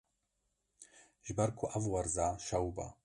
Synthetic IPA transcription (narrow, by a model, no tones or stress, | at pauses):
ʒbarkʷʰuʔavwarzaːʃawba̰